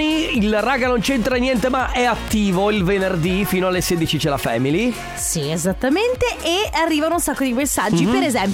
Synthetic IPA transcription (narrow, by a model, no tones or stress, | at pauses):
niilraːɡanont͡ʃent̪ɾanjɛnt̪emaʔɛat̪ːiːvoilvenerd̪ifiːnoalːeseːd̪it͡ʃit͡ʃela̰fɛ̰ːmili | siezat̪ːament̪eʔearːiːvanunsakːod̪imesːad͡ʒːippeɾezɛmp